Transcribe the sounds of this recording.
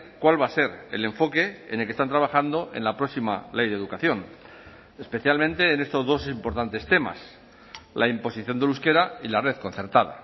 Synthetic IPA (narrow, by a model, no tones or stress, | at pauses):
kwalβase̞ɾḛle̞ɱfo̞ke̞enelkest̪ant̪ɾaβ̞axand̪o̞ʔe̞̰nlapɾoksima̰le̞jð̞eðukaθjo̞n | e̞spe̞θjalmẽnt̪e̞ːne̞st̪o̞zðo̞simpo̞ɾt̪ant̪e̞st̪e̞ma̰s | lʔaimpo̞siθjo̞nd̪eluske̞ɾailare̞ðko̞n̟θe̞ɾt̪að̞a̰